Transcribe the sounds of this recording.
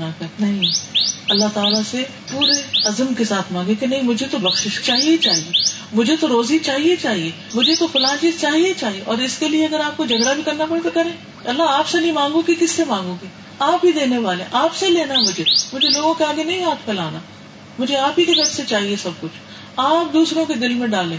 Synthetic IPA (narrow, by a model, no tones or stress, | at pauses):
nakɐnɐɦĩɐlːat̪aːlase | puːɾeɐzəmkesaːt̪ʰmãːŋɡẽkenɐɦĩmʊd͡ʒʱet̪obɐkʃɪʃt͡ʃaːɦiet͡ʃaːɦie | mʊd͡ʒʱet̪oɾoːzit͡ʃaːɦiet͡ʃaːɦie | mʊd͡ʒʱet̪ofʊlaːnt͡ʃiːzt͡ʃaːɦiet͡ʃaːɦieʔɔːɾɪskelieɐɡəɾaːp̚kod͡ʒɐɡɽabʱikɐɾnapɐɽet̪okɐɾẽː | ɐlːaɦaːpsenɐɦĩmãːŋɡõkikɪsːemãːŋɡõki | aːpɦid̪eːneʋaːlḛ̃ʔaːpseleːnaɦɛmʊd͡ʒʱemʊd͡ʒʱeloːɡõkeaːɡenɐɦĩɦaːt̪ʰpẽlaːnaː | mʊd͡ʒʱeaːpɦid͡ʒɐɡəɾset͡ʃaːɦiesɐb̚kʊt͡ʃʰ | aːp̚d̪uːsɾõked̪ɪlmẽɖaːlẽː